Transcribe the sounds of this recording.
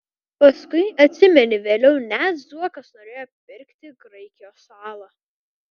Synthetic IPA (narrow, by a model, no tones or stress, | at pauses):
pɐskʊɪɐt̪ʲsʲɪmʲɛnʲɪʋʲeːlʲɛʊnʲæt̪zuɔkɐsnoɾʲeːjoɐpʲɪpʲɪɾʲkʲt̪ʲɪɡɾɐɪkʲɪjoːsɑːlˠɐ